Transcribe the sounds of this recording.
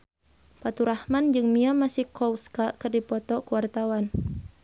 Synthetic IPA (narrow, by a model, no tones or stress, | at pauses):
pat̪uɾahmand͡ʒɨŋmiamasɪhkɔwskakɨrdipɔt̪ɔkuwart̪awan